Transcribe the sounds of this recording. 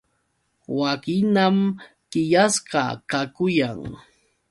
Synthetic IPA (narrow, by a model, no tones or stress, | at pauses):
wakɪnam | kɪjasɢɑ̰kakʊjaŋ